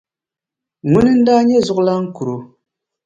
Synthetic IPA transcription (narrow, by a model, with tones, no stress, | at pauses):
ŋu˦nɨ˦n̩˦da˦ɲɛ˦zʊ˨ʔla˦ŋ̩˦ku˨ɾo˨